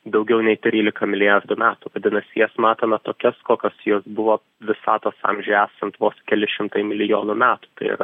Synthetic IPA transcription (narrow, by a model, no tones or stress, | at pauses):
d̪ɐʊɡʲɛʊnʲɛɪt̪ʲɾʲiːlʲɪkɐmʲɪlʲɪjɑrd̪ʊmʲæːt̪uʋɐd̪ʲɪnɐsʲɪjɛsmɑːt̪ɐnɐt̪oːkʲɛskoːkʲɐsjoːsbʊʋoː | ʋʲɪsɑːt̪oːsɑ̰mʲʒʲʊæːsɐnt̪ʋoːskʲɛlʲɪʃʲɪmt̪ɐɪmʲɪlʲɪjoːnʊmʲæːt̪u̥t̪ɐɪɪ̰ɾɐ